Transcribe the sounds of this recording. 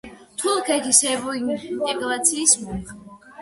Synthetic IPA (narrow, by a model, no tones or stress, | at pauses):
t̪ʰulˠkʰɛt̪ʰisɛbɔinnt̪ʼɛɡɾat̪sʰiːsmɛɾ